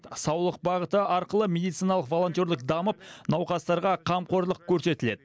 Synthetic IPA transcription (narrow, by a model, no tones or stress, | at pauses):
sɑwlˠəqbɑʁət̪əɑɾqəlˠəmʲe̞d̪ijt̪sijnɑlˠəqvo̞lˠo̞nt̪jo̞ɾd̪ɪqd̪ɑməp̚nɑwqɑst̪ɑɾʁɑqʰɑmqo̞ɾlˠəq̚kʲʰɵɾse̞t̪ɪle̞d̪ɪ